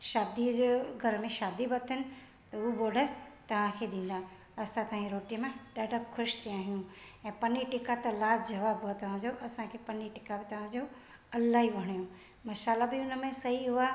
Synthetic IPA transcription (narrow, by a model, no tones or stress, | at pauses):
ʃaːd̪id͡ʑeɡʱɐɾmẽʃaːd̪ibɐt̪ʰɪnɪ̆ | t̪ɐʊboːɾɖəɾt̪ɐʋ̤ãkʰeːɗĩːn̆d̪a | ɐsãt̪ɐãd͡ʑeɾoːʈijəmẽɗaːɖəpxʰʊʃt̪ʰiaːɦijũɛ̃ːpɐniʈɪkat̪ɐlaːd͡ʑɐʋaːbɦʊat̪ɐʋ̤ãd͡ʑoʔɐsãkʰeːpɐniʈɪkabɪt̪ɐʋ̤ãd͡ʑo | ɐlaɦiʋɐɽ̃ijũ | mɐʃaːlabɪʊnə̆mẽsɐɦiɦʊa